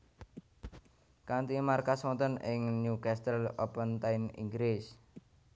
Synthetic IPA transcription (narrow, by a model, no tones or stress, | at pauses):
kant̪imarkasɔnt̪ɔnɪŋnukast̪əlopənt̪ajnḭŋɡɾɪs